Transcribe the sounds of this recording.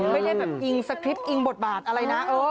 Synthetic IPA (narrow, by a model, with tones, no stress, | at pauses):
ma˥˩jla˥˩bɛː˨˩p̚ʔi˧ŋsa˧kʰɾi˦˥p̚ʔi˧ŋbo˨˩t̪̚baː˨˩t̪̚ʔa˧ɾa˧jna˦˥ʔɤː˧˩